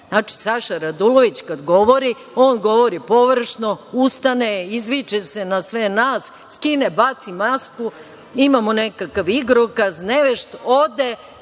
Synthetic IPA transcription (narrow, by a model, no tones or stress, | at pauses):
naːt͡ʃi̥saʃaɾad̪uloʋit͡ɕkad̪ɡo̞ʋo̞ɾi | o̞ːnɡo̞ʋo̞ɾipo̞ʋr̩ʃnoust̪aneizʋit͡ʃese̞nasʋe̞naːs | skinebat̪simasku | imamonekakaʋiɡɾokazneʋeʃt̪od̪e